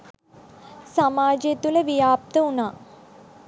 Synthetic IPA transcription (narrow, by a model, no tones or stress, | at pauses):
samaːd͡ʒjet̪uləʋijaːp̚t̪əunaː